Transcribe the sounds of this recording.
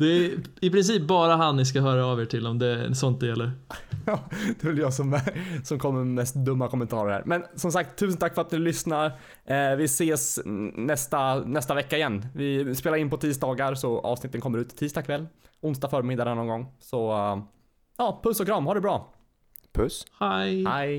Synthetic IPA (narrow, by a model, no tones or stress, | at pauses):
d̪̥ɛɪpʰɾɪns̬iːp̚bɑːɾaɦanːɪskaɦœːɾaːveːʈʰɪlɔmd̪ɛsɔnt̪̚d̪ɛjɛlːəɾɑːd̪̥ɛvɛljɑːsɔmɛsɔmkʰɔmːəmɛst̪̚d̪ɵmːakʰɔmɛənt̪ʰɑːɾəɾhæ̰ːɾmɛnsɔmsak̚t̪ʰːʉ̟sənt̪ʰakfœɾat̪̚nɪlʏsnaɾ | vɪseːsnɛst̪anɛst̪avɛkːaɪjɛnːvɪspeːlaɾɪnpɔt̪ʰiːsd̪ɑːɡaɾsɔʔɑ̰ːvsnɪt̪ːənkʰɔmːəɾʉ̟ːt̪t̪ʰiːst̪ɑːkʰvɛlːʊnsd̪afœːɾmɪd̪ːad̪ənɔŋɡɔŋːsɔ | jɑːpʰɵsːɔkɾɑmːhaɖɵbɾɑː | pʰɵshajhaj